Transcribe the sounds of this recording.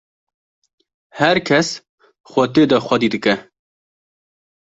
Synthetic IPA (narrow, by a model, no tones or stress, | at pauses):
hɛɾkʰɛs | xʷɐt̪eːd̪ɔxʷɐd̪iːd̪ɨkɛ